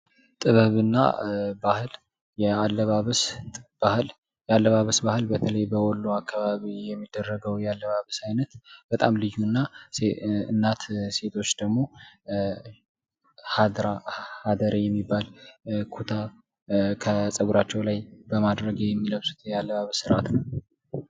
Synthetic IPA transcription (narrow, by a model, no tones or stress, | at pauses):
t̪ʼɨβəβɨnːa̰bahɨl | jɛalːəβaβəsb̥ahɨl | jɛalːəβaβəsbahɨlbət̪ʰələjbəwɔlːuakːaβaβijɛmːid̪̥ːərːəɡəwjɛalːəβaβəsajnət̪b̥ət̪ʼamlɨjːunːaseɨnːat̪se̞t̪ʰo̞t͡ʃːd̪̥əɡmo̞ | had̪ɾahad̪əɾjɛmːibːalkʰut̪ʰa | kʰəsʼəɡuɾat͡ʃːɛwlajb̥əmad̪ɾəɡjɛmːiləβsu̥t̪ʰjɛalːəβaβəsɨɾʔat̪nəw